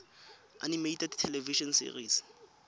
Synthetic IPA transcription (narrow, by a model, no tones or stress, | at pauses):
animejtɛdtʰɛlɛviʃɔnsḭriːs